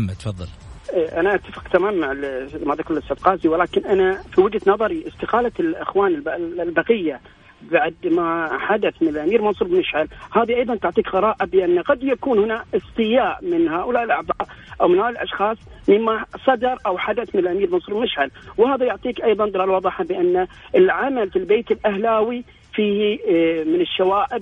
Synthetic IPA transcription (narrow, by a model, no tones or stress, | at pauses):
mːat̪fɑðˤːɑlʔʔanaʔat̪ːafɪ̥qt̪amaːmːaʕɪlmad̪akʊɾlɪst̪ɪfqɑːziwɪlaːkɪnʔanafiwɪd͡ʒt̪nɑðˤɑɾiʔɪst̪ɪqɑːlalʔɪxwaːnɪlblbɑqɪjːa | baʕd̪maħad̪aθmɪnɪlʔamiːɾmɑnsˤuːɾbmɪʃʕalhaːðiʔɑjðˤɑnt̪ʊʕt̪ˤiːkɣɑɾˤɑːʔabɪʔanːaqɑd̪jakuːnhʊnaʔɨst̪ˤɨjaːʔmɪnhaːʔʊlaːʔɪlʔɑʕbɑːɾˤʔawmɪnhaːɪlʔɑ̰ʃxɑːsˤ | mɪmːasˤɑd̪ɑɾˤʔawħad̪aθmɪnɪlʔamiːɾmɑnsˤuːɾbmɪʃʕalwhaːðajʊʕt̪ˤiːkʔɑjðˤɑnd̪ɪlaːlwɑðˤɪħabɪʔanːaʔɪlʕamalfilbeːt̪ɪlʔahlaːwi | fiːhmɪnɪʃːawaːʔɪb